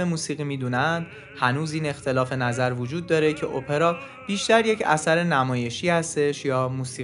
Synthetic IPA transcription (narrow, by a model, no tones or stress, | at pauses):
emuːsiːɣiːmiːd̪uːnænd̪̥̚ | hænuːziːne̞xt̪ʰe̞lɒːfe̞næzæɾvod͡ʒuːd̪̚ːɒːɾecʰe̞ʔopʰe̞ɾɒː | b̥iːʃt̪æɾje̞cʰæ̰sæɾenæmɒːje̞ʃiːhæst̪e̞ʃjɒːmuːsiː